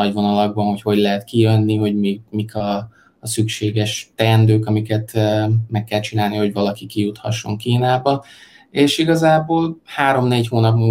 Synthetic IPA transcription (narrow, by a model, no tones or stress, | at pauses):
ɒɟvo̞nɒlɒɡ̚bɒnho̞cho̞ɟlɛɦɛt̪kijønːiɦo̞ɟmimikʰɒː | sykʃeːɡɛʃt̪ɛnd̪øːkɒmikɛt̪ːmɛkːɛlt͡ʃinaːlniho̞ɟvɒlɒkikijut̪hɒ̰ʃːo̞ŋkiːnaːbɒ | eːʃiɡɒzaːboːlhaːɾo̞mneːchoːnɒpmuː